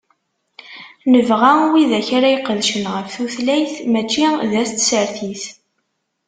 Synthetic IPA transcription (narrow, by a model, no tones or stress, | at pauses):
nəvʁæwiðæçaɾajqːəðʃənʁəfθuθlæjθmæt͡ʃːiðæst̪səɾθiθ